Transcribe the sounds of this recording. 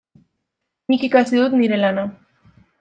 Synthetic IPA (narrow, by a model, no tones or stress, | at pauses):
ɲikikasid̪ut̪niɾelana